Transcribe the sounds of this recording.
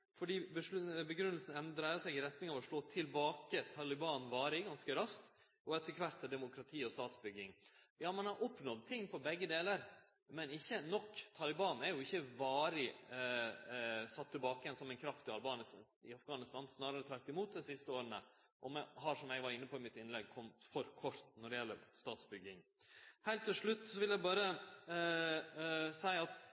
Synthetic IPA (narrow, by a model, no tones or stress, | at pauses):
fɔɖiːbəʂbəɡɾʉnːəlsnɛnd̪ɾɑːɪəsɛɡɪɾɛt̪nɪŋɑːʋɔʂɭoːt̪ʰɪlbɑːkət̪ʰɑlɪbɑːnʋɑːɾɪɡɑnskəɾɑst̪ | ɔɛt̪ːəkʰʋɑɾt̪ːɛd̪ɛmʊkɾɑt̪ʰiːɔst̪ɑːt̪sbʏɡːɪŋjɑːmɑnhɑɾʔɔpːnɔd̪̚t̪ʰɪŋːpʰɔbɛɡːəd̪eːləɾ | mɛnɪçːənɔkːt̪ʰɑlɪbɑːnæɾjʊɪçːəʋɑːɾɪ | sɑt̪ʰːɪlbɑːkəjɛnsɔmɛɪnkʰɾɑft̪ɪɑlbɑːnəs | ɪɑfɡɑːnɪst̪ɑnsnɑːɾəɾət̪ʰɾɑkt̪ːɪmuːt̪̚d̪ɛsɪst̪əoːɾənə | ʔɔmɛɦɑʂɔmjæɪɡʋɑɾɪnːəpʰɔɪmɪt̪ɪnlɛɡ̚kʰɔmt̪fɔɾkʰɔɾt̪nɔɖɛɪjɛlːə̰ɾst̪ɑːt̪sbʏɡːɪŋ | hælt̪ːɪlʂɭʉt̪ːsɔʋɪlæbɑːɾə | sæɪɑt̪